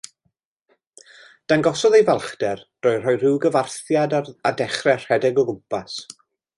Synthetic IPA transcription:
d̥anɡɔsɔðejvalˠχdɛrd̥ɔːjr̥ɔjrɪwɡəvarθjadaadɛχrɛr̥ɛdɛɡɔɡʊpas

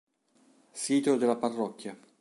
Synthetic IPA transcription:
siːt̪od̪elːaparːɔkːja

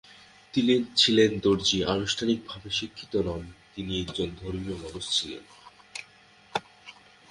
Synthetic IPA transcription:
t̪ilent͡ɕʰilend̪oɾd͡ʑiʔanoʃʈʰanik̚bʱabeʃikʰːi̥t̪onamt̪iniekd͡ʑond̪ʱoɾmiomɔbost͡ɕʰilḛn

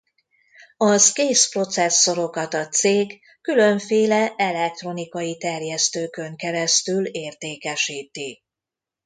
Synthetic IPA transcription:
ɒskeːspro̞t̪sɛsːo̞ɾo̞kɒt̪ɒt̪seːɡ | kːylø̞ɱfeːlɛɛlɛk̚t̪ro̞nikɒjit̪ɛrjɛst̪øːkø̞ŋkɛɾɛst̪yleːrt̪eːkɛʃiːt̪i

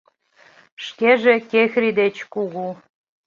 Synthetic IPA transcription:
ʃkeʒekexʲrid̪et͡ɕkuɣu

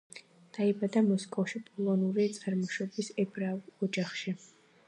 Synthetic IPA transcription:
d̪̥aibad̪amɔskʼɔfʃipʼɔlˠɔnuɾit̪sʼaɾmɔʃwɛbisɛbɾavɔd͡ʒaχʃi

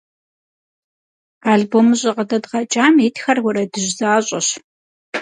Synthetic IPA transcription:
aːɮboːmɨɕʼɪqədɐdʁɐt͡ʃʼaːmitxɐrwʷʊɾɐdɨʑzaːɕʼɐɕ

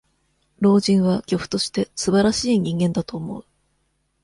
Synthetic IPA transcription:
ɾo̞ːʑĩɰ̃βaɡʲo̞ɸɯ̟̥t̪o̞ɕi̥t̪e̞sɨbaɾaɕiːɲ̟ĩŋɡẽ̞nd̪at̪o̞ːmo̞̰ɯ

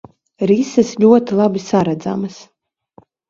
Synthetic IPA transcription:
ɾisɐsʎʲuɔt̪ilˠabisaɾad̪za̰mas

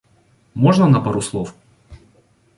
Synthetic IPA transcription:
moʐnənɐpɐɾuslˠof

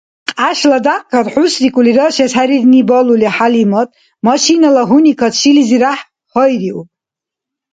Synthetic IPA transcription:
qʼaʃladaqʼkʰatʼħusrikʼuliɾəʃashaɾidnibaluliaħalimatʼ | maʃinalaɦunikʰatʰʃiliziɾaħ | həjriʔupʼ

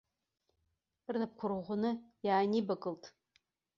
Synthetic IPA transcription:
rnap̚kʷʰʊrʁʷʊnɨjaːnibakʼɨltʼ

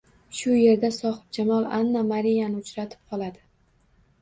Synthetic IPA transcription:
ʃʊje̞ɾd̪asɒhɨp̚d͡ʒamɒlˠanːamaɾijanɪʊt͡ʃɾat̪ʰɪ̥p̚qʰɒlˠad̪ɪ

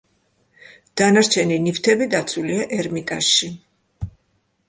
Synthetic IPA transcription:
d̪̥anaɾt͡ʃʰɛninift̪ʰɛbid̪at̪sʰuliaʔɛɾmit̪ʼasʃi

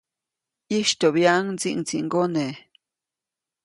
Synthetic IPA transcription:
iʃt̪oβjaʔŋt͡sḭʔŋt͡siŋɡone

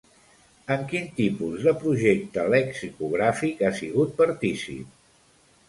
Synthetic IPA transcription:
əŋkint̪ipuzðəpɾuʒek̚t̪əlɛksikuɣ̞ɾafikasiɣut̪̚pəɾt̪isḭp̚

